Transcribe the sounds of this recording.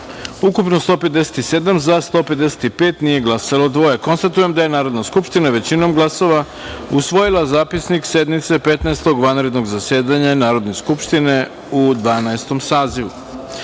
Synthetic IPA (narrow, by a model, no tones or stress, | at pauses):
ukupnost̪o̞ːpe̞t̪d̪ese̥t̪ised̪amzast̪o̞ːpe̞d̪d̪e̞se̥t̪ipe̞ːt̪nije̞ɡlˠasalˠo̞d̪ʋo̞jeko̞nst̪at̪uje̞md̪aje̞naːɾo̞d̪naskupʃt̪inaʋe̞t͡ɕino̞mɡlˠaso̞ʋa | usʋo̞jilˠazaːpisnikse̞d̪mit̪se̞pe̞t̪naest̪oɡʋanɾe̞d̪no̞ɡzase̞ːd̪aɲanaːɾo̞d̪ne̞skupʃt̪ine̞ | ud̪ʋaːnaest̪o̞msaːziʋu